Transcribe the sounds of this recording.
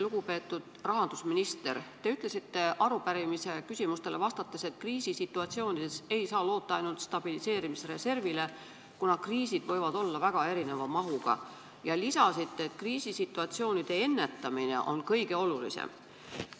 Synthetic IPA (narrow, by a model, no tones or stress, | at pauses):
luɡ̥upe̞ːt̪ːˑud̪̥rɑɦɑnd̪̥usminist̪e̞rt̪e̞yt̪ːˑle̞sit̪ːe̞ʔɑɾupæɾimise̞kysʲimust̪e̞le̞vɑst̪ɑt̪ːˑe̞se̞t̪̚kriːsisit̪ːˑuɑt̪sio̞ːnʲid̪̥ese̞jsɑːlo̞ːt̪ːˑɑɑjnult̪st̪ɑb̥ilise̞ːɾimisɾe̞se̞rvile̞ | kunɑkriːsid̪̥vɤ̞jvɑd̪̥o̞lːɑvæɡ̥ɑe̞ɾine̞vɑmɑɦuɡ̥ɑ̰ | jɑlisɑsit̪ːeːt̪kriːsisit̪ːˑuɑt̪sio̞ːnid̪̥e̞e̞nːe̞t̪ːɑmine̞̰ʔo̞̰nkɤjɡ̥e̞o̞lulḭsḛm